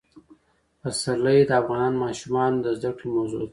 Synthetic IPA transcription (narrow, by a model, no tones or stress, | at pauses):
pasaləjed̪əafɣɑnɑnmɑʃumɑnd̪əzd̪akɽemawzṵd̪